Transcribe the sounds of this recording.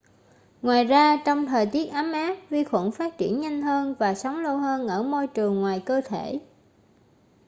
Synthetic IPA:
ŋwaː˨˩jzaː˧t͡ɕɔ˧wŋ͡mt̪ʰəː˨˩jt̪i˦˥ət̚ʔa˨˦mʔaː˦˥p̚vi˧xwə̰˧˩nfaː˦˥t̚t͡ɕḭ˧˩ənɲa˧jŋ̟ɦəː˧nvaː˨˩sə˨˦wŋ͡mlə˧wɦəː˧nʔəː˧˩mo˧jt͡ɕɨ˨˩əŋːwaː˨˩jkəː˧t̪ʰe˧˩

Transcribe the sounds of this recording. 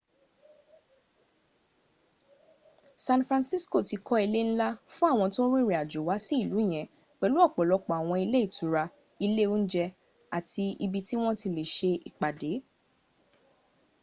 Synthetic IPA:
sã˧nfɾã˧nsi˦sko˦˨ti˨˧kɔ˦i˧le˦ñ̩˦la˦fũ˦a˦˨w̃ɔ̃˧to˦ɾĩ˦ɾi˨a˨d͡ʒu˨wa˨˦si˦i˦˨lũ˨˦˨j̃ɛ̃˨ | k͡pɛ˨˧lu˦ɔ˦˨k͡pɔ˨lɔ˧k͡pɔ˨a˨w̃ɔ̃˧i˧le˦i˦˨tu˨˦ɾa˧ | i˧le˦o˦n̩˦d͡ʒɛ˧ | a˨ti˧ḭ˧bi˧ti˦w̃ɔ̃˦ti˧le˨ʃe˧i˨k͡pa˨de˨˦

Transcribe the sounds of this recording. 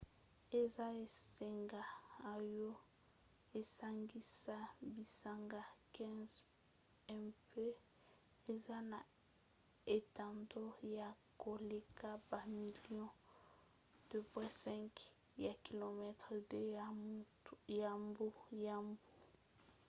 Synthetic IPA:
e˨za˦e˨se˨ŋɡaː˨jɔ˦ | e˨sa˦ŋɡi˦sa˦bi˨sa˨ŋɡa˦kɛ̃˦z | ɛ˦˨mpe˦ | e˨za˦na˨ | e˨ta˨ndo˦ja˨ | ko˨le˨ka˦ba˨mi˨lijɔ̃˦ | d̥ø˨pwɛ̃˦sɛ̃˦ŋk | ja˨ki˨lo˨mɛ˦tʁ | ja˨mbu˦ja˦˨mbu˦

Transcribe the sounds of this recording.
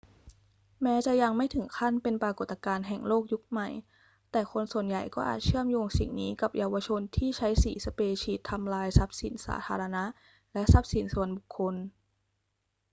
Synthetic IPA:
mɛː˦˥t͡ɕa˨˩ja˧ŋma˥˩jt̪ʰɯ˩˦ŋkʰa˥˩npe˧npɾaː˧ko˨˩t̪ːa˧kaː˧nɦɛ˨˩ŋloː˥˩k̚ju˦˥k̚ma˨˩j | t̪ɛː˨˩kʰo˧nsu˨˩ənja˨˩jkɔː˥˩ʔa̰ː˨˩t̪̚t͡ɕʰɯ˥˩əmjoː˧ŋsḭ˨˩ŋniː˦˥ka˨˩p̚ja˧wa˧t͡ɕʰo˧nt̪ʰiː˥˩t͡ɕʰa˦˥jsiː˩˦sa˧peː˧t͡ɕʰiː˨˩t̪ʰːa˧mlaː˧jsa˦˥p̚sḭ˨˩˦nsa̰ː˩˦t̪ʰaː˧ɾa˧na˦˥ʔ | lɛ˦˥ʔsa˦˥p̚si˨˩˦nsu˨˩ənbu˨˩kʰːo˧n

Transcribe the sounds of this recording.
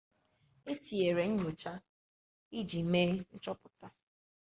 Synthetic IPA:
e˦ti˨e˨ɾe˨ɲ̩˦ɲ˦o˨t͡ʃa˦ | i˦d͡ʒi˨me˦n̩˦t͡ʃɔ˦pʊ˨ta˦

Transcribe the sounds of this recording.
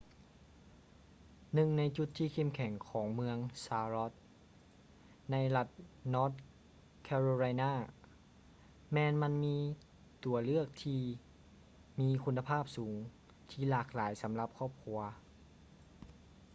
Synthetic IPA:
nɯ˨˩ŋna˧jt͡ɕu˧˥t̪ʰːiː˧˩kʰe˧˩˨mkʰɛ˩˦ŋkʰɔː˩˦ŋmɯ˧əŋsaː˧ɾɔ˧˦˥t̪̚ | na˧˥jla˧t̪̚nɔː˦˥t̪̚ | kʰɛː˧ɾoː˧la˧jnaː˥˩ | mɛː˧nma˧˥nmiː˧ | t̪u˩˦ɐlɯ˥˩ək̚t̪ʰiː˧˩ | miː˧kʰu˧nːa˧pʰaː˥˩p̚suː˩˦ŋ | t̪ʰiː˧˩laː˧˩k̚laː˩˦jsa˩˦mla˧˥p̚kʰɔː˥˩p̚kʰu˧ɐ

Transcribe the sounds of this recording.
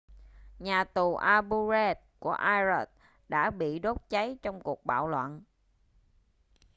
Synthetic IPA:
ɲaː˨˩t̪u˨˩ʔaː˧ɓu˧zɛ˧t̚ku˧˩əʔaː˧jzə˨˦˩t̚ | ɗa̰ː˧˥ɓḭ˧˨ɗo˦˥t̚t͡ɕa˨˦jt͡ɕɔ˧wŋ͡mku˨˩ək̚ɓa̰ː˧˨wlwa̰˧˨n

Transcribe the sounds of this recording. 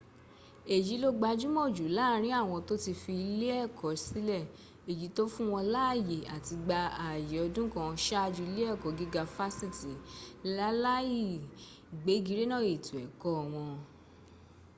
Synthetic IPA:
e˨d͡ʒi˨˦lo˦ɡ͡ba˧d͡ʒu˦mo˦˨d͡ʒu˨˦la˦˨˦ɾ̃ĩ˦a˦˨w̃ɔ̃˧to˦ti˧fi˧i˧le˦ɛ˦˨kʰɔ˨˦si˨˦lɛ˦˨ | e˨ji˨˦to˦fũ˦w̃ɔ̃˧la˦˨je˨a˨ti˧ɡ͡ba˧a˨je˨ɔ˧dũ˦kã˧ʃa˦a˧d͡ʒu˧i˧˦le˦ɛ˦˨kɔ˨˦ɡi˦ɡa˧fa˦si˦˨ti˨˦la˦la˦ji˦˨ | ɡ͡be˨˦ɡi˧ɾe˦nã˦˨e˨tu˨ɛ˨kɔ˦˨w̃ɔ̃˧

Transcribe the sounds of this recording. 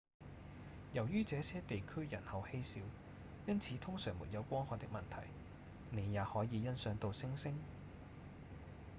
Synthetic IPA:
jɐ˨˩wjyː˥t͡sɛː˨˧sɛː˥t̪e˨jkʰɵ˥ɥjɐ˨˩nhɐ˨˧whe˥jsiː˨˥w | jɐ˥nt͡sʰiː˨˥t̪ʰʊ˥ŋsœː˨˩ŋmṵ˨˩t̚jɐ˨˧wkʷɔː˥ŋhɔː˨˧t̪ɪ˥kmɐ˨nt̪ʰɐ˨˩j | ne˨˧jjaː˨˧hɔː˨˥jiː˨˧jɐ˥nsœː˨˧ŋt̪o˨˧wsɪ˥ŋsɪ˥ŋ

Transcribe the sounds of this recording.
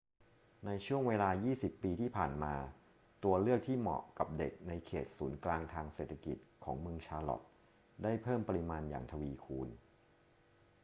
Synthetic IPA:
na˧jt͡ɕʰu˥˩əŋweː˧laː˧jiː˥˩si˨˩pːiː˧t̪ʰiː˥˩pʰaː˨˩nmaː˧ | t̪u˧ɐlɯ˥˩ək̚t̪ʰiː˥˩mɔ̰˨˩ka˨˩p̚de˨˩k̚na˧jkʰeː˨˩t̪̚suː˩˦nklaː˧ŋt̪ʰaː˧ŋseː˨˩t̪ʰːa˧kḭ˨˩t̪̚kʰɔ̰ː˩˦ŋmɯ˧əŋt͡ɕʰaː˧lɔ̰˨˩t̪̚ | daː˥˩jpʰɤː˥˩mpa˧ɾi˧maː˧nja̰ː˨˩ŋt̪ʰa˧wiː˧kʰuː˧n

